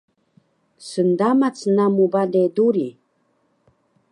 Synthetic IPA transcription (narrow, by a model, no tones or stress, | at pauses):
sənd̪amat͡snamubad̪ed̪uɾi